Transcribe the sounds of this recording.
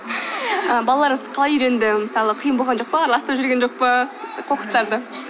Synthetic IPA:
əbɑlˠɑlˠɑɾməzqʰɑlˠɑjʏɾe̞nd̪ɪməsɑlˠəqʰəjəmbo̞lˠʁɑnd͡ʒo̞q̚pəɑɾlˠɑst̪ɾpʒʏɾɡʲenʒo̞q̚pəqʰoqə̥st̪ɑɾd̪ə

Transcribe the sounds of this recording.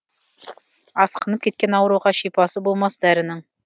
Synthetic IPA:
ɑsqɤ̆nɤp̚kit̪̚kænɑwɤ̆ɾuʁɑɕipɑsɤbulˠmɑsd̪æɾɘ̆nɤɴ

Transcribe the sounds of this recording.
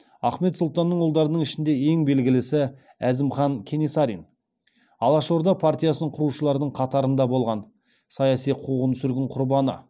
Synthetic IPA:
ɑχme̞t̪sʊlˠt̪ɑnːəɴolˠd̪ɑɾənəɴɪʃɪnd̪e̞e̞ŋbe̞lɡʲɪlɪsɪ | æzɪmχɑŋkʲʰe̞nesɑɾin | ɑlˠɑʃo̞ɾd̪ɑpʰart̪ʲijasənəɴqʰʊɾuʃəlˠɑɾd̪əɴqʰɑt̪ɑɾənd̪ɑbo̞lˠʁɑn | sɑjɑsijqʰuʁənsʏɾɡʲɪɴqʰʊɾbɑnə̰

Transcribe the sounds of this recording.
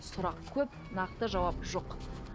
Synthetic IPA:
sʊɾɑqkʲʰɵp | nɑq̚t̪əʒɑwɑpʒoq

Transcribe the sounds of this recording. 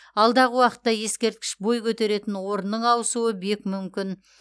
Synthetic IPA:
ɑlˠd̪ɑʁəwɑqət̪ːɑje̞skʲe̞ɾt̪̚kʲɪ̥ʃbojkʲʰɵt̪e̞ɾe̞t̪ɪnwo̞ɾənːəɴɑwəsuəbe̞kʲmʏmkʲɪn

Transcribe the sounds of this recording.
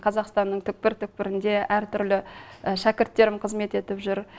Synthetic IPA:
qʰɑzɑqst̪ɑnːəɴt̪ʰʏk̚pɪɾt̪ʰʏk̚pɪɾɪnd̪e̞ʔæɾt̪ʰʏɾlɪəʃækʲɪɾt̪ːe̞ɾɪmqʰəzme̞t̪e̞t̪ɪpʒʏɾ

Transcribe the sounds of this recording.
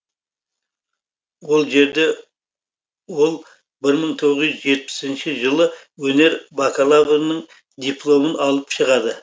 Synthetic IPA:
wo̞lˠʒe̞ɾd̪e̞ | wo̞lˠ | bɪɾməɴt̪ʰo̞ʁəzʒzʒe̞t̪̚pɪ̥sɪnʃɪʒəlˠə | wɵne̞ɾbakalˠavonəɴ | d̪iplˠo̞mənɑlˠəpʃəʁɑd̪ə

